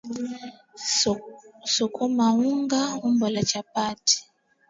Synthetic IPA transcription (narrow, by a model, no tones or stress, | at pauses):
sɔkʰɔmauŋɡaumbɔlat͡ʃapati̥